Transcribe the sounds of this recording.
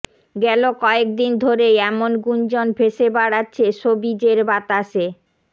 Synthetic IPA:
ɡɛlokɔek̚d̪ind̪ʱoɾeɛmonɡund͡ʑonbʰʱeʃebaɽatːɕʰeʃobid͡ʑeɾbat̪aʃe

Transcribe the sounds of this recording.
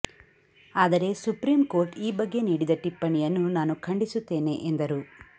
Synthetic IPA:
aːd̪ɐɾe̞supɾiːmko̞ːɾʈiːbɐɡːe̞niːɽid̪ɐʈipːɐɳijɐnːunaːnukʰɐɳɖisut̪ːe̞ːne̞ʔend̪ɐɾu

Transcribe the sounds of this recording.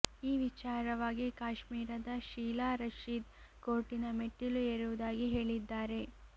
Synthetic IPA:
iːʋit͡ʃaːɾɐʋaːɡikaːʃmiːɾɐd̪ɐʃiːlaːɾɐʃid̪ | koːʈinɐmeʈːilueɾuʋud̪aːɡiɦe̞ːɭid̪ːaːɾe̞

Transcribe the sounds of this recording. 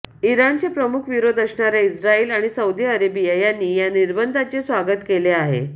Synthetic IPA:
iɾant͡sepɾəmukʰʋiɾod̪əsɳaɾjaisɾaiːlaɽ̃isəud̪iːəɾebijajanːiːjaniɾbənd̪ʱat͡sesʋaɡət̪keleaɦḛ

